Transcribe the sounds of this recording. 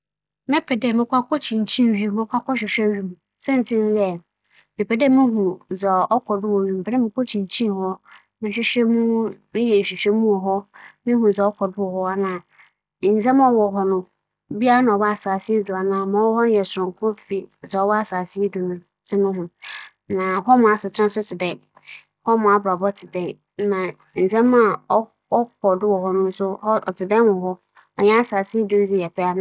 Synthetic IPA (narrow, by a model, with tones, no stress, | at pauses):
mɛ̃˦pʰɛ˨dɛ˨mɪ̃˨kʷa˦kʰɔ˦t͡ɕʰĩ˨ɲ˨t͡ɕʰĩ˦n˨ɥi˦˨mɪ̃˦kʰʷa˦kɔ˦ɕᶣɪ˨ɕᶣɛ˦ɥi˦m˨ | sɛ̃˦n˨tʰɪ˦n˦jɛ˨ | mɪ̃˨pʰɛ˨dɛ˦mɪ̃˦ɦũ˨zɛ˨ɔ˦kʰɔ˨dʊ˦wo˨ɥi˨m̩˨pʰɛ˨ɾɛ˦mɪ̃˨kʰɔ˦t͡ɕʰĩ˨ɲ˨t͡ɕʰĩ˦n˨hɔ˦ | mɪ̃˨ɕᶣɪ˦ɕᶣɛ˦mũ˦mɪ̃˦jɛ˨ɕᶣi˨ɕᶣɛ˦mũ˦ɔ˨ɦɔ˦mɪ̃˦ɦũ˨zɛ˨ɔ˦kʰɔ˨dʊ˦ɔ˨hɔ˦a˨nãː˨ | n̩˨zɛ̃˦m˦ɔ̃˦wɔ˨ɦɔ˨nʊ̃˨ | bi˦a˦a˦nã˨ɔ˨wa˦a˨saː˨si˦dʊ˨a˨nãː˨mã˨wɔ˦hɔ˦nʊ̃˦jɛ˨sʊ˨ʊ̃˨ŋ˨kʰʊ̃˦ffi˦˨sɛ˨ɔ˦wɔ˦a˨saː˨si˦du˨nʊ̃˦ | sɪ˦nʊ̃˦ɦʊ̃˦ | nã˨hɔ˦mʊ̃˨˦a˨sɪ˨tʰã˦n˦sʊ˦tʰɪ˨dɛ˨ | hɔ˦mʊ̃˨˦a˨bɾa˨bɔ˦tʰɪ˨dɛ˦ | nã˨ | n̩˨d͡zɛ̃˦mã˦˨˦ | ɔ˦kʰɔ˨dʊ˦wɔ˨ɦɔ˦nʊ̃˦n̩˦sʊ˦hɔ˦ɔ̰˨tʰɪ˨dɛ˦wɔ̃˨ɦɔ˦ | ɔ˨ɲɛ̃˦a˦˨saː˨si˦dʊ˦ñ˦di˦jɛ˨pʰɛ˦a˦ñ˦